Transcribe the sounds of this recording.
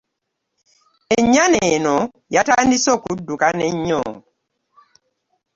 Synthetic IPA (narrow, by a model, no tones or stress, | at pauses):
ɛɲanɛnɔ | jatandisɔkudukanɛɲːɔ̰ː